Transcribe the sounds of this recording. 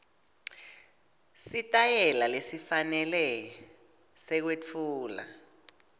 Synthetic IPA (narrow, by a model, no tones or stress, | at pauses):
sitʼajɛlalesifanɛlɛ | sɛk̬wet͡fʰuːla̰